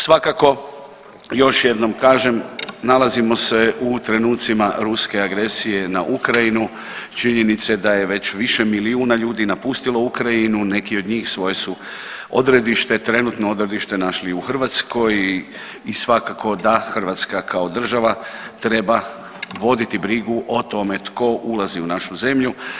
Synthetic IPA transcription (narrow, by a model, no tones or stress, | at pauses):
sʋakako̞ | jo̞ʃje̞d̪no̞mkaːʒemnalazimo̞se̞ut̪ɾe̞nuːt̪simaɾuske̞aɡɾe̞sije̞naʔukɾajinu | t͡ʃiɲe̞nit̪sed̪aje̞ʋe̞t͡ɕʋiʃe̞miliuːnaʎuːd̪inapust̪ilo̞ukɾajinune̞kio̞d̪ɲiːxsʋo̞je̞su | o̞̰d̪ɾe̞d̪iʃt̪e̞t̪ɾe̞nut̪nood̪ɾe̞d̪iʃt̪e̞naʃliuxr̩ʋat̪skʰo̞j | isʋakako̞d̪axr̩ʋat̪skakʰao̞d̪r̩ʒaʋat̪ɾe̞ba | ʋo̞d̪it̪ibɾiɡuʔo̞t̪o̞me̞t̪ko̞ʔulaziunaʃuze̞mʎu